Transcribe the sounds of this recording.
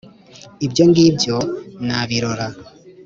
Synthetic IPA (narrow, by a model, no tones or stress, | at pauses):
ibɟo̞ŋɡiːbɟo̞naβiɾoɾa